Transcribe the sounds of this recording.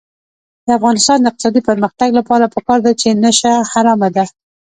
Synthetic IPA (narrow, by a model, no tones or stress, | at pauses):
d̪̥əafɣɑnɪst̪ɑnd̪əɪqt̪ɪ̥sɑd̪ipəɾməxt̪aɡlapɑɾapəkɑɾd̪at͡ʃenəʃahaɾɑmad̪a